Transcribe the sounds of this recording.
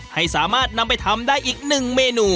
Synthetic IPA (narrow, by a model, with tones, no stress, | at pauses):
ha˥˩jsaː˩˦maː˥˩t̪̚na˧mpa˧jt̪ʰa˧˥mdaː˥˩jʔiː˨˩k̚nɯ˨˩ŋmeː˧nuː˨˩